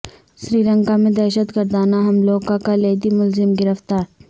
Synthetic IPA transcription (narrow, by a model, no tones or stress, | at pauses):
sɾiːlə̃ŋkamẽd̪ɛːʃət̪ɡɐɾd̪aːnaɦɐmloːkakaleːd̪imʊlzɪmɡɪɾəft̪aːɾ